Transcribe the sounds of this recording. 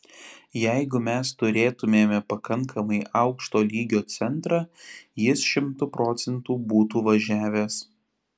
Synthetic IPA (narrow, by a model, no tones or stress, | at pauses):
jɛɪɡʊmʲɛst̪ʊɾʲeːt̪ʊmʲeːmʲɛpɐkɐŋkʰɐmɐɪʔɐʊkʃt̪oːlʲiːɡʲoːt̪sʲɛnt̪ɾɑːjɪsʃʲɪmt̪ʊpɾɔːt̪sʲɛnt̪uːbuːt̪uːʋɐʒʲæːʋʲeːs